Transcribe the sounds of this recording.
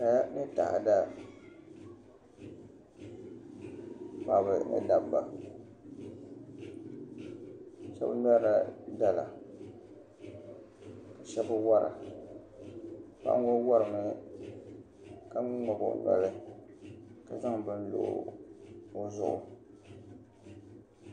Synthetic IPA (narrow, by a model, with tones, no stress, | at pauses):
ka˨ja˦nɨ˦ta̰˨ʔa̰˨da˦ | pa˨bɨ˨nɨ̰˦da˦bba˨ | ʃɛ˦bna˦la˦da˦la̰˨ | ka˨ʃɛ˦bɨ˦wa˦ɾʔa̰˨ | pa̰˦ʔŋo˦wa˦ɾɨ˨mɨ˦ | ka˦ŋ˦ŋa˨bʊ̰˨ʔna̰˦lɨ˦ | ka˨za˦ŋ˨bɨ˨n̩˦lo̰˦˨ | o˦zʊ˦ʔʊ̰˨